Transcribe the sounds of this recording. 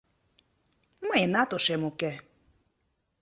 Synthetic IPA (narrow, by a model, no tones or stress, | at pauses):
majenat̪oʃemuke